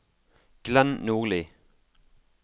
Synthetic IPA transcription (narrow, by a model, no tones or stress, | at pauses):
ɡ̥lɛnnuːʁliː